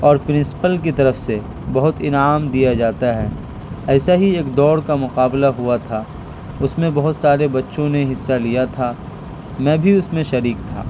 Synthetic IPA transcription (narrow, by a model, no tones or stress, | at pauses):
ɔːɾpɾɪ̃nsɪ̥pəlkit̪ɐɾəfse | bɐɦʊt̪ɪnaːmd̪ijad͡ʒaːt̪aɦɛː | ɛːsaɦieːkd̪ɔːɾkamʊqaːblaɦʊat̪ʰaː | ʊsmẽbɐɦʊt̪saːɾebɐtːʃõneɦɪsːalijat̪ʰaː | mɛ̃ːbʱiʊsmẽʃɐɾiːk̚t̪ʰa̰ː